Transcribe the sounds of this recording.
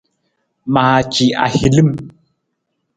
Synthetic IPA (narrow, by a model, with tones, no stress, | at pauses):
ma˨a˨t͡ʃi˨a̰˨hi˨li˦m